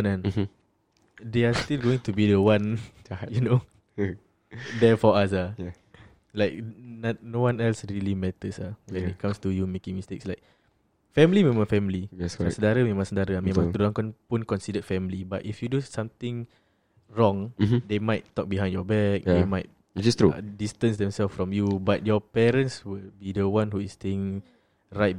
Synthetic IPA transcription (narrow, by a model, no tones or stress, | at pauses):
nãn | deast̪ilɡoɪ̃ŋtubidəwãnjuno | dɛfɔas̬aj | laɪk̚nat̚nowãnɛlsɹilimɛtəsawɛ̃nit̚kãmstujumekɪ̃ŋmistekslaɪk̚ | fɛmlimẽmãŋfɛmliɛssəndaɾəmẽmãŋsəndaɾəamẽmãŋt̪ɾulãŋkɔnpunkɔ̃nsidədfɛmlibatifjudusãmt̪ɪ̃ŋ | ɹɔ̃ŋdemaɪtːɔk̚biɦãj̃ndjɔbɛk̚demaɪt̚ | tst̪ɹudistə̃nsdɛ̃msɛlffɹɔ̃mjubat̚jɔpɛɾə̃nswilbidəwãnɦuisteɪ̃ŋ | ɹaɪt̚